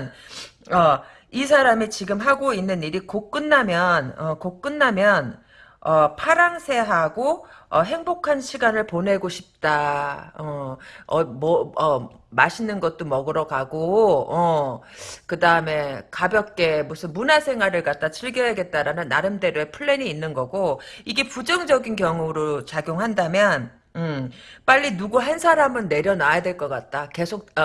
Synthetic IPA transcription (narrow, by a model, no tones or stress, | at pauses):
n | ʌ | isʰaɾamit͡ɕiɡɯmɦaɡoinːɯniɾikok͈̚ɯnːamjʌnʌkok͈̚ɯnːamjʌn | ʌpʰaɾaŋsʰe̞ɦaɡoʌɦe̞ŋbokʰanɕʰiɡanɯɭpone̞ɡoɕʰi̥p̚t͈aʌʌmʌʌ | maɕʰinɯnɡʌt̚t͈omʌɡɯɾʌɡaɡoʌ | kɯdaɯme̞kabjʌk̚k͈e̞musʰɯnmunasʰe̞ŋɦwaɾɯɭkat̚t͈at͡ɕʰiɭɡjʌɦeɡe̞t̚t͈aɾanɯnːaɾɯmde̞ɾoepʰɯɭːe̞niːnːɯnɡʌɡoiɡe̞pud͡ʑɯŋd͡ʑʌɡinkjʌŋuɾot͡ɕaɡjoŋɦandamjʌn | ɯp͈aʎːinuɡuɦansʰaɾamɯnːe̞ɾjʌnajadwe̞ɭk͈ʌk͈at̚t͈ake̞sʰok̚